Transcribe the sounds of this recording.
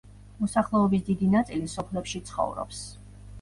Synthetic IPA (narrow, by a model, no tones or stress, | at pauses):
mɔsaχlˠɛɔbis̬d̪id̪inat̪sʼilisɔpʰlɛpʃit̪sʰχɔ̰vɾɔ̰ps